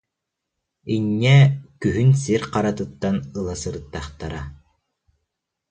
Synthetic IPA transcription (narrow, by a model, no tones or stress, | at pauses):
inːɛkyɦynsiɾqaɾat̪ɯt̪ːanɯlˠasɯɾɯt̪ːaχt̪aɾa